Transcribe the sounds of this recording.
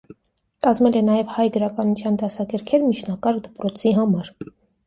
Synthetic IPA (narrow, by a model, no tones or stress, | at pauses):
kɑzmɛlɛnɑjɛvhɑjɡəɾɑkɑnut͡sʰjɑnd̪ɑsɑkɛɾkʰɛɾmit͡ʃʰnɑkɑɾkd̪əpɾɔt͡sʰiɦɑmɑɾ